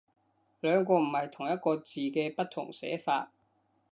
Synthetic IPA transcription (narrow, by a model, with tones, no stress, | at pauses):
lœː˨˧ŋkɔː˧m̩˨˩hɐ˨jt̪ʰʊ˨˩ŋjɐ˥t̚kɔː˧t͡siː˨kɛː˧pɐ˥t̚t̪ʰʊ̰˨˩ŋsɛ̰ː˨˥fa̰ː˧t̚